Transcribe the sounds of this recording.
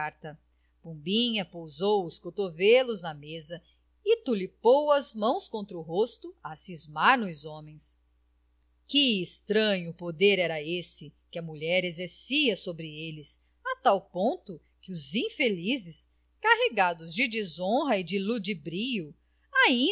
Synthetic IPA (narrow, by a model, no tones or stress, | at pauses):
aɾt̪ɐ | pũbĩɲɐpowzowʊskot̪ovelʊznɐmezɐ | ɪt̪ulipowɐzmɐ̃w̃skõnt̪ɾɐʊɦost̪ʊɐsizmaɾnʊzõmẽj̃s | kɪːst̪ɾɐ̃ɲʊpod̪eɾɛɾɐesɪkɪɐmuʎɛɾezeɾsiɐsobɾɪelɪs | at̪awpõnt̪ʊ | kɪʊzĩfelizɪs | kaɦeɡad̪ʊzd͡ʒɪd͡ʒizõɦɐɪd͡ʒɪlud͡ʒibɾijʊ | aĩ